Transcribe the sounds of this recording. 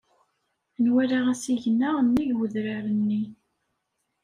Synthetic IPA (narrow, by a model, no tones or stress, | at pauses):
nwæɾaʁæsiʝənːaʁnːiʝwəðɾaɾənːi